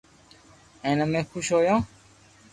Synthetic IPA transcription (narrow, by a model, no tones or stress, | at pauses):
ẽːnəmẽːxʰʊʃɦoːjãː